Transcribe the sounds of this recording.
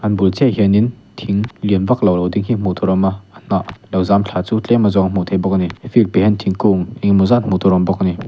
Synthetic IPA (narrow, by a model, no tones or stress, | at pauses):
ʔanbult͡sʰɛɦjənin | t̪ʰiŋliənvak̚lawlɐwdiŋɦim̥ut̪ʰɔɾɔmaan̥aʔlɐwzamt͡ɬʰat͡sut͡ɬɛmːazɔŋm̥ɔt̪ʰɛbɔk̚anifilpehɛnt̪ʰiŋkuŋɛŋmuzanm̥ut̪ʰɔɾɔmbɔk̚ani